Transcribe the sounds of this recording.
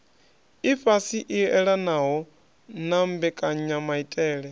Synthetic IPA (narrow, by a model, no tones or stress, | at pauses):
ifasiʔiɛɺanaɦɔ | nambɛkʼaɲamaitʼɛːɺɛ